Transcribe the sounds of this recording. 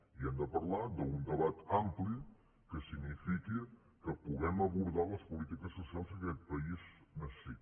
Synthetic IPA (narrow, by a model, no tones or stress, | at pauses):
iɛmd̪əpəɾlad̪əund̪əβat̪ampli | kəsiɡnifiki | kəpuɣɛməβuɾðaləspulit̪ikəsːusalˠzəkɛt̪̚pəiznəssi